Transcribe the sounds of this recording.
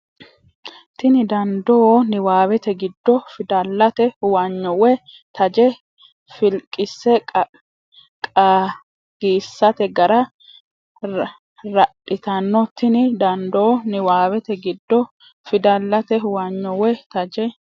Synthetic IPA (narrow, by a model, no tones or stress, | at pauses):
t̪ɪnɪd̪ɐnd̪onɪwaːwɛt̪ɛɡɪd̪ːɔfɪd̪ɐlːɐt̪ɛwaɲːɔwɛ | t̪ɐd͡ʒɛ | fɪlkʼːɪsːɛ | kʼa | ɡ̥iːsːɐt̪ɛɡɐɾɐ | ɾɐɗɪt̪ɐnːɔt̪ɪnɪd̪ɐnd̪onɪwaːwɛt̪ɛɡɪd̪ːɔ | fɪd̪ɐlːɐt̪ɛwaɲːɔwɛt̪ɐd͡ʒɛ